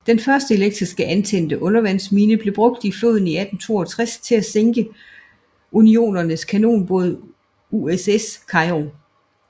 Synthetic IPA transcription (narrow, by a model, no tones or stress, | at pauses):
d̥enfɶɐsd̥əe̝leɡ̥̚d̥ʁisɡ̥əʔænt͡sʰen̰d̥əʔɔ̽nɐʋæn̰smiːnəb̥le̝b̥ʁɔ̽ɡ̥̚d̥iflo̝̰ðˠn̩iæd̥n̩t͡sʰo̝̰ːɐt͡sʰʁast͡sʰe̝læseŋɡ̥ə | ʔunio̝̰ːnɐnəskʰæno̝̰ːnb̥ɔðˠ | ueseskʰɑ̈ɪʁo